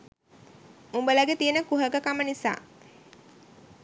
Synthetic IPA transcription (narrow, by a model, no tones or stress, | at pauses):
umbələɡet̪ijənəkuɦəɡəkamənisa̰ː